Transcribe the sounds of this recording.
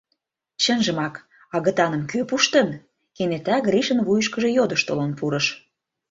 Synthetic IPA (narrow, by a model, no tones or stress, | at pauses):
t͡ɕə̆nʒə̆mɑk | ɑɣət̪ɑnə̆mkøpuʃt̪ə̆n | kenet̪æɣriʃənβujəʃkə̆ʒe̽jod̪əʃt̪olonpuɾə̆ʃ